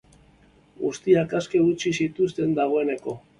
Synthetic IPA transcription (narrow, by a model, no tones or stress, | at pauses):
ɡust̪iakaske̞ɣut͡ʃisit̪ust̪e̞nd̪aɣo̞e̞ne̞ko̞